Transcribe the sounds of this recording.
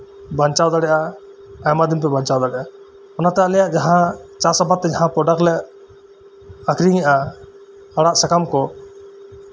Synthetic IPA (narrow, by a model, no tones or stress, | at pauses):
bant͡ʃawd̪aɽɛʔa | ajmad̪impɛbaɲt͡ʃawd̪aɽɛʔa | ɔnat̪aaʔlɛjaʔd͡ʒaɦãt͡ʃasɔbat̪ːɛd͡ʒaɦãpɾɔɖak̚lɛʔ | akɾiŋɛʔa | haɽaʔsɛkamkɔ